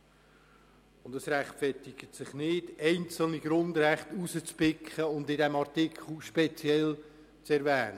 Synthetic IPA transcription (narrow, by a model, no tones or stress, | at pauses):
ʊndəsræχtfɛtɪɡ̥ətsɪχnɪdɛɪnt͡sl̩niɡɾʊndɾɛχtusət͡spɪkχəʊndɪdɛmɑɾtɪkʰχl̩ˠʃpet͡siɛl | t͡sɛɾvɛːnə